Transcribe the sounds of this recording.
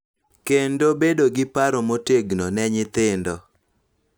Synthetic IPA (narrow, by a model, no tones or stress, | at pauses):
kendobedoɡɪpaɾomoteɡnɔnɛɲɪt̪ɪndɔ